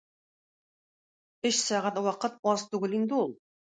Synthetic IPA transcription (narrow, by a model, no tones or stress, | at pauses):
ɵɕsɑʁæt̪wɑqɤt̪̚ɒzt̪ʉɡɘlind̪ɘulˠ